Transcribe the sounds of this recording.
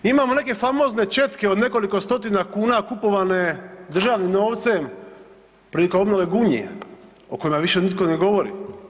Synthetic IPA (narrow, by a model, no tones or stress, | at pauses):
imaːmone̞ke̞famo̞zne̞t͡ʃe̞t̪keod̪ne̞ko̞liko̞st̪o̞t̪inakuːnakupo̞ʋane̞d̪r̩ʒaːʋnimno̞ːʋt̪sem | pɾilikoo̞bnoʋe̞ɡuɲḛ | oko̞jimaʋiʃe̞nit̪ko̞neɡo̞ʋo̞ɾḭ